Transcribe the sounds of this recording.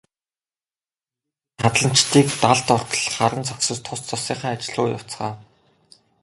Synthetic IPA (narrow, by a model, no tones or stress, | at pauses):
χat̪ɮə̆m̥t͡ɕt̪ʰiːkt̪aɮt̪ɔr̥t̪ɮχaɾə̆nt͡sʰaksə̆t͡ɕt̪ʰʊst͡sʰɔsiːɴχaːat͡ɕɪ̆ɮʊːja̰w̥t͡sχaː